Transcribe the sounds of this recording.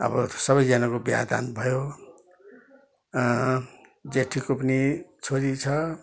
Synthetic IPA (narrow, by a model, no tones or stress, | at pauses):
ʌ̰bʌsʌbʌjd͡zanakobja̰d̪a̰nbʱʌjo | d͡zeʈʰikopʌnit͡sʰoɾit͡sʰʌ